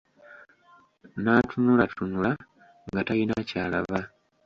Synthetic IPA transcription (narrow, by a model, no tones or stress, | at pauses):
naːtʰunulatunula | ŋɡatajinacaːla̰βa